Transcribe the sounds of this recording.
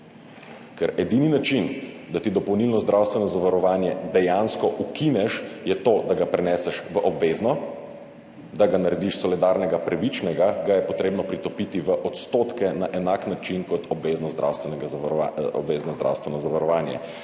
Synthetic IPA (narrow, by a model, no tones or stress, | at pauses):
kɛɾɛd̪ininat͡ʃind̪at̪id̪ɔpɔwnilnɔzd̪ɾʔawst̪ʋɛnɔzaʋaɾɔʋaːnjɛd̪ɛjanskɔʔukinɛʃjɛt̪oːd̪aɡapɾɛnɛːsɛʃʋəʔɔbʋeːznɔ | d̪aɡanaɾɛd̪iʃsɔlid̪aːɾnɛɡapɾaʋit͡ʃnɛɡaɡajɛpɔt̪ɾeːbnɔpɾit̪ɔpit̪iʋəʔɔt̪st̪oːt̪kɛnaʔɛnaknat͡ʃinkɔt̪ɔbʋeːznɔzd̪ɾa̰wst̪ʋɛnɛɡaɔ̰bʋeːznɔzd̪ɾa̰wst̪ʋɛnɔzaʋaɾɔʋaːnjɛ̰